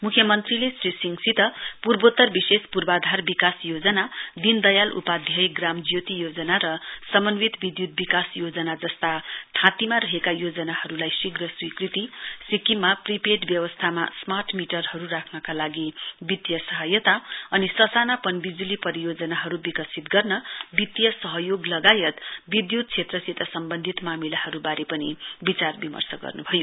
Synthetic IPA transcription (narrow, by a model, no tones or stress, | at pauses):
mukʰjʌmʌnt̪rilesrisiŋɡsit̪ʌpurbot̪ːʌrbisespurbad̪ʱarbikasjod͡zʌnad̪ind̪ʌjalʔṵpad̪ʱjʌjɡramd͡zjot̪ijod͡zʌnaɾʌsʌmʌnwit̪bid̪jut̪̚bikasjod͡zʌnad͡zʌst̪aʈʰãt̪imaɾʌɦekajod͡zʌnahʌɾulajsiɡrʌswikrit̪isikimapripeʈbjʌwʌst̪ʰama̰smarʈmiʈʌrɦʌɾurakʰnʌkalaɡibit̪jʌsʌɦʌjʌt̪aʌnisʌsanapʌnbid͡zulipʌɾijod͡zʌnaɦʌɾubikʌsit̪ɡʌrnʌbit̪jʌsʌɦʌjoɡlʌɡajʌt̪bid̪jud̪̚t͡sʰet̪rʌsit̪ʌsʌmbʌnd̪ʱit̪mamilahʌɾubaɾepʌnibit͡sarbimʌ̰rsʌɡʌ̰rnubʱʌjo